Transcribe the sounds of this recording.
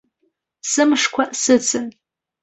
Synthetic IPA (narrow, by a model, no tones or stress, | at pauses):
sɨmʂkʷʰasɨt͡sʰɨn